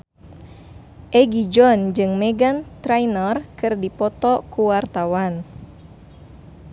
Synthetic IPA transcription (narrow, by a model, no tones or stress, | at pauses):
ʔɛɡid͡ʒɔnd͡ʒɨŋmɛɡant̪ɾajnərkɨrdipɔt̪ɔkuwart̪awan